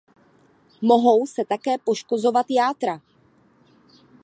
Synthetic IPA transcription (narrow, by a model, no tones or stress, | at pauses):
mo̞ɦo̞wsɛt̪akɛːpo̞ʃko̞zo̞vat̪jaːt̪ɾa